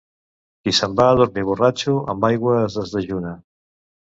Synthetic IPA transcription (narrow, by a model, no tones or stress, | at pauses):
kisəmbaðuɾmiβ̞urat͡ʃuə̰mbajɣwəzðəzðəʒuna